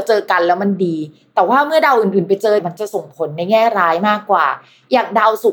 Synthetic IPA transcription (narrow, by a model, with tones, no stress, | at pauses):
t͡ɕɤː˧ka˧nlɛː˦˥wma˧ndiː˧ | t̪ɛː˨˩waː˥˩mɯ˥˩ɐda˧wʔɯː˨˩nʔɯː˨˩npa˧jt͡ɕɤː˧ma˧nt͡ɕa˨˩so˨˩ŋpʰo˩˦nːa˧jŋɛː˥˩ɾaː˦˥jmaː˥˩kːwa̰ː˨˩ | jaː˨˩k̚da˧wsu˨˩